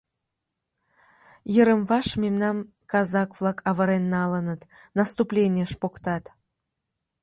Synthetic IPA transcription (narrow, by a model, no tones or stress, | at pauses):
jəɾəmvɑʃmʲemnɑm | kɑzɑkvlɑkʰɑβəɾenːɑlənət̪ | nɑst̪uplʲenʲiəʃpokt̪ɑt̪